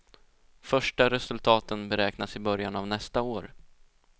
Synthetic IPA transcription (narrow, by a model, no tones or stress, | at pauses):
fœʂʈaɾɛsɵlt̪ʰɑːt̪ənbɛɾɛːknasɪbœɾjanavnɛst̪aoːɾ